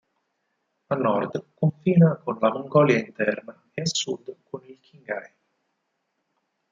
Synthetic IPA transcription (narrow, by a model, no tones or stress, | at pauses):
alnːɔrd̪koɱfiːnakonlamoŋɡɔːljaint̪ɛrna | easːud̪kʰonilkʰiŋɡa̰j